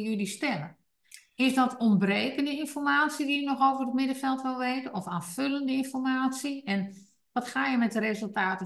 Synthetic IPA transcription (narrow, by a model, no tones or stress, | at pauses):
jylistɛlə | ɪsdɔtɔnbreːkəndəɪnfɔrmaːsidiənɔxowvərətmɪdəfɛlˠtʋɪlˠʋeːtənɔfaːføləndəɪnfɔrmaːt͡siɛn | ʋɔtxaːjəmɛt̚dərezəlˠtaːtə